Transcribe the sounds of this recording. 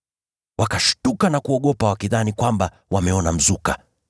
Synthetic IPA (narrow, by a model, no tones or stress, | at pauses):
wakaʃu̥tukanakuɔɠɔpawakiðanikwamba | wamɛɔnam̩zuka̰